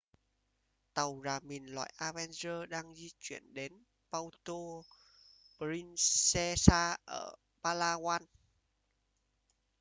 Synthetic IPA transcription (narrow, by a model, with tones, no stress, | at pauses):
t̪ə˨˩wzaː˨˩mi˨˩nlwa̰ː˧˨jʔaː˧vɛ˧nzəː˧ɗaː˧ŋzi˧t͡ɕwḭ˧˩ənɗe˨˦n | pa˧wt̪o˧ | ɾi˧nsɛ˧saː˧ʔəː˧˩ | ɓaː˧laː˧ɣwaː˧n